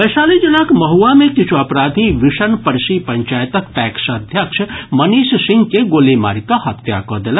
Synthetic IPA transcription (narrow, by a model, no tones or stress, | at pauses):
bɐsaːlid͡ʒilaːkmɐɦuamekit͡ʃʰuɐpɾaːd̪ʱiʋiʃənpəɾsipɐɲt͡ʃaːjt̪ək̚pɛːksəd̪ʱjəkʃʰmɐniːssɪ̃ŋɡkeɡoːlima̰ːɾikahɐt̪ja̰kɔd̪ela